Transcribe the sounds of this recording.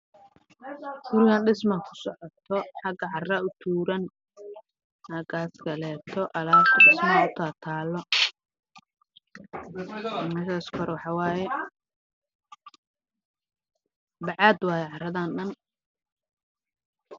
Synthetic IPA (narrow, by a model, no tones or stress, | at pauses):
ɡ̥ʊɾɪɣaːnɖɪsmɐkʰʊ̥sɔʕɔt̪ʰːɔħɑɡɐʕɑrɐʊt̪ʰuːɾɐn | hɐɡaːskʰɐlɛːt̪ʰɔʔɐlaːbt̪ʰɖɪsmaʊt̪ʰaːt̪ʰaːlːɔ | mɐʃaːskʰɔɾwɑħɑwaːjɛ | bɑʕɑːd̪wɑːjɛʕɑrɐðaːnɗɐn